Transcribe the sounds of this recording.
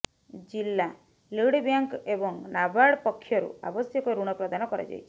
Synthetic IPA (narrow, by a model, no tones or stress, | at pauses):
d͡ʒilːa | liɽbjaŋkebɔŋnabaɽpɔkʰːjɔɾṵa̰bɔsjɔkɔɾuɽ̃ɔpɾɔd̪anɔkɔɾa̰d͡ʒa̰jt͡ʃʰi̥